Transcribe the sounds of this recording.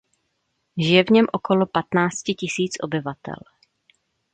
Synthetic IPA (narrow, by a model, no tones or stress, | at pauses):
ʒɪjɛvɲɛmʔo̞ko̞lo̞pat̪naːt͡scɪcɪsiːt͡sʔo̞̰bɪvat̪ɛ̰l